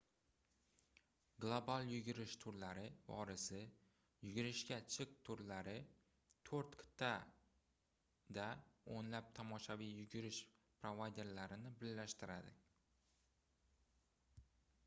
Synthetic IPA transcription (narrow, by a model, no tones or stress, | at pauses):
ɡlˠobalˠjʊɡʲɪɾɪʃt̪ʰʊɾlaɾɪvɒ̰ɾɪsɪ | jʊɡʲɪɾɪʃkʲat͡ʃʰɨq̚t̪ʰʊɾlaɾɪ | t̪ʰoɾt̪kʲʰɪ̥t̪ʰːa | d̪aonlap̚t̪ʰɒmɒʃavijjʊɡʲɪɾɪʃpɾovajd̪e̞ɾlaɾɪnɪbɪlːaʃt̪ɪɾad̪ɪ